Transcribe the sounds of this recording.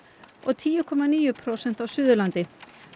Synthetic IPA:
ɔɣt̪ʰiːjʏkʰɔmaniːjʏpʰɾowsɛnt̪awsʏːðʏlant̪ɪ

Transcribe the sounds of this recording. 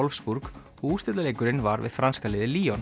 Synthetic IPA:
ɔlfspuɾk | ɔɣuːst̪ɪt̪aleːjkʏɾɪnvaɾvɪ̰ð̥fɾanskalɪːðɪliːɔn

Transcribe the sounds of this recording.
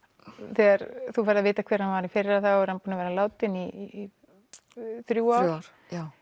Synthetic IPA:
θɛːɣaɾθufaːɾðavɪːt̪akʰvɛːɾ̥hanvaɾɪfɪɾɪɾaθaɛɾhanpuːnavɛːɾalaːwt̪ɪni | θɾjuːa

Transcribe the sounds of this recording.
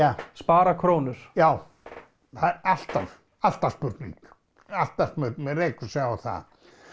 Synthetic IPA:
aspaːɾakʰɾoːwnʏɾ̥jaːw | θaal̥t̪að | al̥t̪ḁspʏɾt̪nḭŋk | al̥t̪asmʏɾt̪nmɛreːkʏ̥sjaɣaθa̰ð

